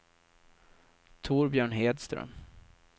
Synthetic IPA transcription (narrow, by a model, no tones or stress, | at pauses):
t̪ʰuːɾbjœːɳɦeːd̪st̪ɾœ̰m